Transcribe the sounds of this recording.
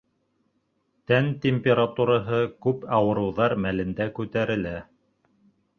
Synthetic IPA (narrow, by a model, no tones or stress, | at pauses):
t̪ænt̪ʲemʲpʲeɾat̪uɾɑɦɤkʉpɑwɤ̆ɾɤ̆wðɑɾmælɘ̆nd̪ækʉt̪æɾɘ̆læ